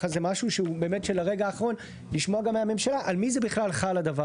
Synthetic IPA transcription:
azemaʃuʃeube̞ːme̞tʃelaʁe̞ɡaːχaʁo̞n | liʃmoaɡameame̞mʃalaʔalmizebiχlalχalad̪ava

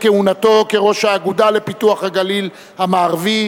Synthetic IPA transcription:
keunat̪o̞keʁo̞ʃhaːɡudale̞pituaχhaɡalil | hamaːʁvi

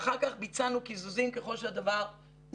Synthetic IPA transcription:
χaʁkaχbit͡sanukizuzimkeχolʃead̪avaʁ

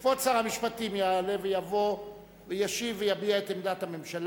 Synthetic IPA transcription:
fot͡saʁamiʃpatimjale̞vejavo̞ | vejaʃivejabiaetemd̪at̪hame̞mʃal

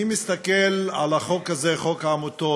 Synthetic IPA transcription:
imist̪akela̰laχo̞kazeχo̞kaːmut̪o

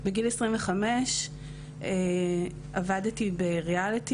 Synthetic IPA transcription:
beɡilesʁimveχameʃ | e | avadtibeʁealiti

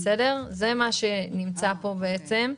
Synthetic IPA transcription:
sede̞ʁzemaʃe̞nimt͡sapo̞beet͡se̞m

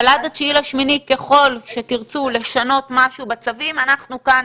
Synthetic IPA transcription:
aladat͡ʃilaʃminike̞χo̞lʃe̞tiʁt͡sule̞ʃano̞tmaʃubat͡savimanaχnukan

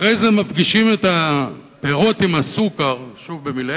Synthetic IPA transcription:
ejzemafɡiʃime̞ta | peʁo̞timasukaʁʃuvbemil

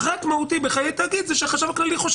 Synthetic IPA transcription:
ʁakmaut̪ibeχajet̪aɡid̪zɛʃeχaʃavklaliχoʃ

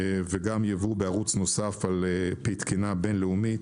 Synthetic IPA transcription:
veɡamjavubeaʁut͡sno̞safalepit̪kinabe̞nleumit̪

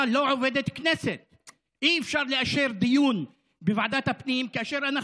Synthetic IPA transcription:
loːʕoveːd̪et̪knesɪt̪̚ | ʔiːfʃɑɾˤliʔaʃiːɾd̪ɪjuːn | bɪvaʕd̪aːt̪abniːmkaʔaʃiːɾʔana

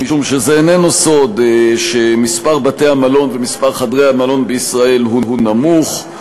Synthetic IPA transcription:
miʃumʃezeːnenuso̞d̪ʃemispaʁbateamalo̞nvemispaʁχadʁejamalo̞nbeisʁae̞lɦuɦunamuχ

